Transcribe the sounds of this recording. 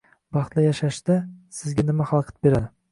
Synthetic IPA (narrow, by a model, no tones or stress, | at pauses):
bɑχt̪lˠajaʃaʃd̪asɪzɡʲanɪmaχɑlˠqʰɨ̥t̪̚be̞ɾad̪ɪ